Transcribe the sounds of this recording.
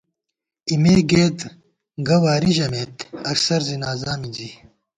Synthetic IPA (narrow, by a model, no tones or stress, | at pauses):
imeːɡeːd̪ | ɡɐwaːɾiʑɐmeːt̪ɐksɐɾzinaːzaːmid͡ʑi